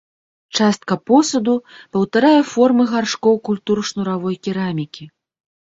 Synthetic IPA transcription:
t͡ʂast̪̚kɐpɔsɐd̪upɐwt̪aɾajɛfɔrmɨɣarʂkɔwkulʲt̪uɾʂnuɾavɔjkʲiɾamʲikʲi

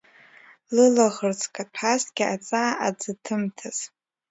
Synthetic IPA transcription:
lɨlaʁərt͡sʰʼkʼatʰasɡʲɪat͡sʼaːad͡zɨtʰɨmtʰaz̥

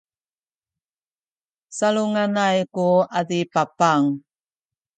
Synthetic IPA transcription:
saluŋanajkuadipapaŋ

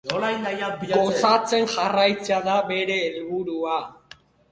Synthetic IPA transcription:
olajnd̪ajabiɡosat͡se̞nʝarajt͡seaðaβe̞ɾe̞ːlβuɾua

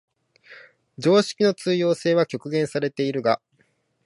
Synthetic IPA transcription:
d͡ʑo̞ːɕi̥kʲino̞t͡sɨːjo̞ːse̞ːβakʲo̞kɯ̟ɡẽ̞ɰ̃saɾe̞t̪e̞iɾɯ̟ɡa

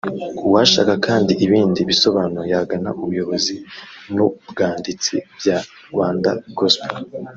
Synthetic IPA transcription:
uwaʃa̰kakaːndiʔiβiːndiβiso̞βaːnojaɡanaʔuβujo̞βo̞zinubɡaːndit͡sḭbja | ɾɡwaːnda̰ɡospo

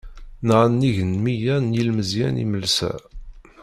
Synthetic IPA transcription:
nʁanːiʝənmijænjilməzjæ̰nḭməlsæ̰

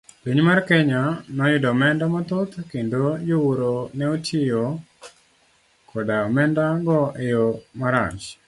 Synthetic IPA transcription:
piɲmarkɛɲanɔjɪdɔmɛndamɔt̪ʊt̪kendojowoɾonɛotɪjo | kʰɔdamɛndaɡɔʔejomaɾa̰t͡ʃ

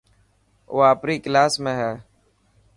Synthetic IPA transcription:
o̰ːaːpɾiːklaːsmẽːɦɛː

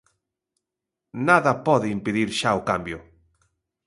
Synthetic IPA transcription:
naðapoðeimpeðiɾʃawkambjo

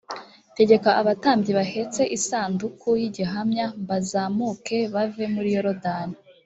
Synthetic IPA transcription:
te̞ɟe̞kaʔaβataːmbɟiβahe̞t͡se̞ʔisaːndukʰujiɟiɦamɲambazaːmuke̞βave̞muɾijoɾodani

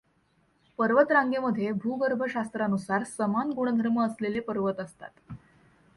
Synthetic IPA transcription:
pəɾʋət̪ɾaŋɡeməd̪ʱːjebʱuːɡəɾbʱəɕast̪ɾanusaɾsəmanɡuɳ̃əd̪ʱəɾməːslelepəɾʋət̪əst̪a̰t̪

